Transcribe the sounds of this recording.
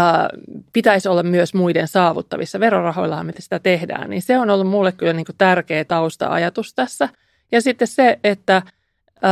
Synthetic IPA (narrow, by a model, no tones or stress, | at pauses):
pit̪æisolːɑmmyøsmuidensɑːʋṵt̪ːɑʋḭsːɑʋerorɑho̰ilːɑhɑmet̪esi̥t̪æt̪ehdæ̰ːnnḭːnseonolːummulːekkylːæniːŋkut̪ærkeːt̪ɑust̪ɑ̰ʔɑ̰jɑt̪ust̪æsːæ | jɑsit̪ːesseet̪ːæ